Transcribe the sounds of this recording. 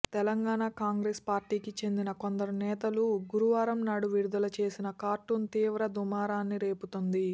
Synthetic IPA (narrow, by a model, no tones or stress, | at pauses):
t̪ɛlɐŋɡaːɳakaːŋɡɾeːspaːɾʈiːkit͡ʃe̞nd̪inɐkond̪ɐɾumnɛːt̪ɐluɡuɾuʋaːɾɐmnaːɽuʋiɾud̪ɐlɐt͡ʃe̞ːsinɐkaːɾʈunt̪iːʋɾɐd̪umaːɾaːnːiɾe̞ːput̪ond̪i